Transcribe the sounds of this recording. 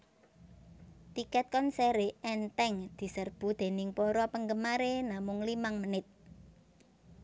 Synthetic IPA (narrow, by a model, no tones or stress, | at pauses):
t̪ikɛt̪̚kɔnseɾeʔɛnt̪ɛŋd̪̥i̤sərb̥ṳd̪̥e̤nɪŋpoɾɔpəŋɡəmaɾenamʊŋlimaŋmənɪt̪̚